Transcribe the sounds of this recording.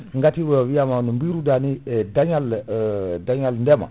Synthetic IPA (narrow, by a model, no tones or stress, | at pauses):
ŋɡatiwewijamanumbiɾudanidaɲal | daɲalndema̰